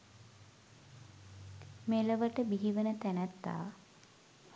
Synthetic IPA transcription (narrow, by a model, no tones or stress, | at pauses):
meləʋəʈəbiɦiʋənət̪ænæt̪ːa̰ː